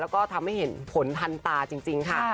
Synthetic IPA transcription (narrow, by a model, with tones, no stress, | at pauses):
lɛː˦˥wkɔː˥˩t̪ʰa˧mha˥˩jhe˩˦npʰo˨˩˦nt̪ʰa˧nt̪aː˧t͡ɕi˧ŋt͡ɕi˧ŋkʰa˥˩